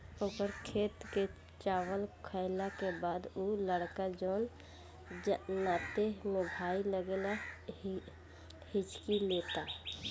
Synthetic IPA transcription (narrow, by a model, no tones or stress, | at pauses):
oːkəɾkʰeːt̪ke | t͡ʃaːwəlkʰəɪlakebaːd̪uləɽkad͡ʒoːn | d͡ʒnaːt̪emobʱaːiləɡela | hɪt͡ʃkileːt̪a